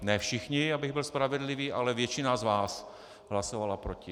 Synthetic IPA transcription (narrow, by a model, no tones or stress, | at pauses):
nɛːfʃɪxɲɪabɪɣbɪlspɾavɛdlɪviːʔalɛvjɛt͡ʃɪnazvaːs | ɦlasovalapɾocɪ